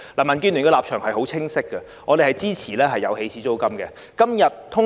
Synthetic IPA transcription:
laː˨˩mɐ˨˩nkyː˥ny˨nkɛː˧laː˨p̚t͡ʃʰœː˨˩ŋhɐ˨jɦo˨˥wt͡sʰɪ˥ŋsɪ˥kːɛ˧ | ŋɔː˨˧e˨hɐ˨jt͡siː˥t͡sʰiː˨˩lɛː˥ɦɐ˨jːɐ˨˧whe˨˥jt͡sʰiː˨˥t͡so˥wkɐ˥mɡɛ˧ | kɐ˥mjɐ˨t̚t̪ʰʊ˥

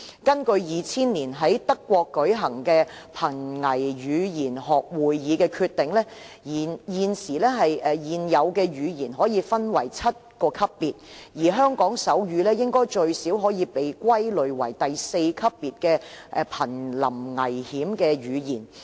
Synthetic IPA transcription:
kɐ˥nkɵ˧ɥjiː˨t͡sʰiː˥nliː˨˩nɦɐ˨˥jt̪ɐ˥kːwɔː˧kːɵ˨˥ɥɦɐ˨˩ŋkɛː˧pʰɐ˨˩nŋɐ˨˩jjyː˨˧jiː˨˩nɦɔː˨˩k̚wuː˨jjiː˨˧kɛː˧kʰyː˧t̪ɪ˨ŋlɛː˥ | ji˨˩njiː˨nsiː˨˩lɛː˥ɦɐ˨jʔɛ˨jiː˨njɐ˨˧wkɛː˧ɥyː˨˧jiː˨˩nɦɔː˨˥jiː˨˧fɐ˥nwɐ˨˩jt͡sʰɐ˥t̚kɔː˧kʰɐ˥pːiː˨t̚jiː˨˩ɦœː˥ŋkɔː˨˥ŋsɐ˨˥wɥyː˨˧lɛː˥jɪ˥ŋkɔː˥jt͡ʃɵ˧ɥsiː˨˥wɦɔː˨˥jiː˨˧pe˨jkʷɐ˥jlɵ˨˧ɥwɐ˨˩jt̪ɐ˨jse˧jkʰɐ˥pːiː˨t̚kɛː˧ʔɛ˨˧pʰɐ˨˩nlɐ˨˩mŋɐ˨˩jhiː˨˥mkɛː˧ɥyː˨˧jiː˨˩n

